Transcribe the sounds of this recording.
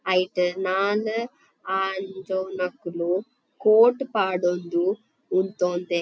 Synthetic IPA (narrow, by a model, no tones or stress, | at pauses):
ɐjʈɐnaːlu | aːnd͡ʒownɐkːulu | koːʈpaːɽond̪uː | nt̪oːnd̪i